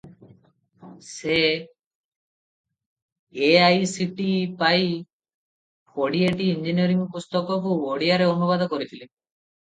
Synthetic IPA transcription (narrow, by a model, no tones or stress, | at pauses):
se | ajsiʈipaj | kʰoɽieʈiind͡ʒinijɔɾiŋpust̪ɔkɔkuoɽiaɾeonubad̪ɔkɔɾit̪ʰili